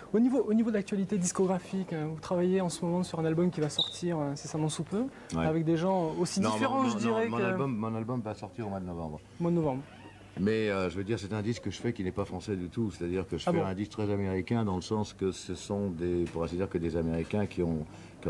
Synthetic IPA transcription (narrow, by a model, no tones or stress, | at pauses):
onivoʔonivod̪əlak̚t̪ɥalit̪ed̪iskɔɡʁafikvut̪χavajeɑ̃səmɔmɑ̃syʁɛ̃nalbɔmkʲivasɔʁt̪ʰiʁøsesamɑ̃supø | wavɛk̚d̪eʒɑ̃osidnĩẽʁɑ̃ʒəd̪ĩʁɛmɔ̃nalbɔmːɔ̃nalbɔmvasɔʁt̪iʁomwad̪ənɔvɑ̃bʁ | omwad̪ənɔvɑ̃bʁ | mɛøʒəved̪iʁsɛt̪ɛ̃d̪iskːəʒəfɛkʲinɛpafχɑ̃sɛd̪yt̪uset̪ad̪iʁkəʒəafɛɔ̃ɛ̃d̪ist̪χɛzameʁikʲɛ̃d̪ɑ̃ləsɑ̃skəsəsɔ̃d̪epuʁɛsed̪iʁkəd̪ezameʁikʲɛ̃kʲiɔ̃ | kĩ